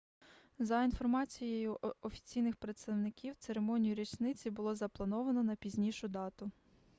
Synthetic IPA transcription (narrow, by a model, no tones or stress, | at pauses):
zɐin̪fɔrmɑt͡sʲijejʊɔfʲi̥t͡sʲijnɪxpɾet̪st̪ɐwnɪkʲiwt̪seɾemɔnʲijʊɾʲit͡ʃnɪt͡sʲibʊlˠɔzɐplˠɐnɔʋɐnɔnɐpʲizʲnʲiʃʊd̪ɑt̪ʊ